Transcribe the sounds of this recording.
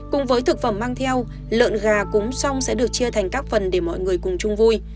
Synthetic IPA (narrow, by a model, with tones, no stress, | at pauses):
kʊ̰˧˥ŋ͡mvəː˨˦jt̪ʰɨ˨˩k̚fə˧˩mːaː˧ŋt̪ʰɛ˧w | lɨ̰˧˨ənɣaː˨˩kʊ̰˨˦ŋ͡msa˧wŋ͡msɛ̰˧˥ɗɨ˨˩ək̚t͡ɕi˧ət̪ʰa˨˩jŋ̟kaː˦˥k̚fə˨˩nɗe˧˩mɔ̰˧˨jŋɨ˨˩əjkʊ˨˩ŋ͡mt͡ɕʊ˧ŋ͡mvu˧j